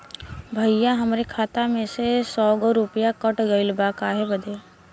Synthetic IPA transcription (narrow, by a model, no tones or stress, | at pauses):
bʱəjjaɦɐmɾekʰaːt̪amẽsesɔːɡɔɾʊpjakəʈɡəɪlbakaːɦebəd̪eː